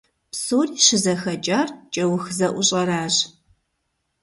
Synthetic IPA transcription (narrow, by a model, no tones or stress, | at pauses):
psoːriɕɪzɐxɐt͡ʃʼaːrt͡ʃʼɐwʊxzɐʔʷʊɕʼɐɾaːʑ